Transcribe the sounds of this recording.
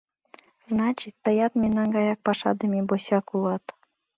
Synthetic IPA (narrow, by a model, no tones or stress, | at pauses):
znɑt͡ɕit̪ːɤ̆jɑt̪mʲenːɑnɡɑjɑk̚pɑʂɑ̰d̪ɤ̆mʲeboɕɑkulˠɑt̪